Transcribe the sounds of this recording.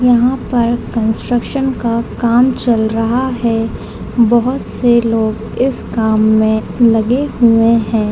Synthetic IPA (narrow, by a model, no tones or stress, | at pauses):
jɐɦãpɐɾkə̃nsʈɾəkʃənkakaːmt͡ʃɐlɾɐɦaɦɛ | bɐɦʊt̪seloːɡ | ɪskaːmːẽ | lɐɡeɦʊeɦɛ̃ː